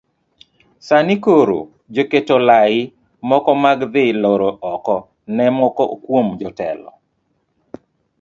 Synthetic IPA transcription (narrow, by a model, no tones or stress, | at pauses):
sanikoɾo̰ | d͡ʒoketolaɪ | mɔkɔmaɡd̪ɪloɾoʔɔkɔ | nɛmɔkɔkwomd͡ʒɔtɛ̰lɔ̰